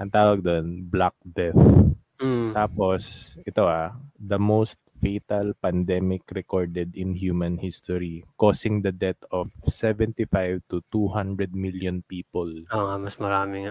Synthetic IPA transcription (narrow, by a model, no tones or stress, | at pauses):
ʔɐ̃ŋt̪aːwɐɡ̚d̪onblak̚d̪ɛθ̩ | tt̪aːposʔɛt̪oʔad̪ɐmost̪̚fejt̪ɐlpɐnd̪ɛmɪkɾɛkoɹd̪ɛd̪ɪnhjuːmɐ̃nhist̪ɔɹikoːsɪŋd̪ɐd̪ɛt̪ɔfsɛvɛ̃nt̪ifajvt̪ʊt̪uhãnd̪ɾɛd̪̚miljɔnpiːpɔloŋamɐsmɐɾaːmɪŋ